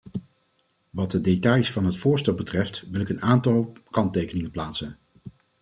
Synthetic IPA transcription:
ʋɑt̚dədetɑjsfɑnɦətfʊːɹstɛlˠbətrɛftʋɪlɪkənaːntɑlˠkɑntejkənɪŋənplaːtsən

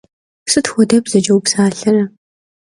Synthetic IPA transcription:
sɨtxʷɔdɐbzɐd͡ʒɐwpsaːɬɐɾɐ

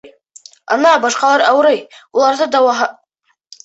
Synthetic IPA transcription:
a̰naːbɑʃqɑlˠaɾawɾejulˠɑɾd̪ɨd̪awaɦa

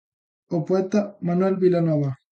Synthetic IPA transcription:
opoet̪amanuwelbilanoβa

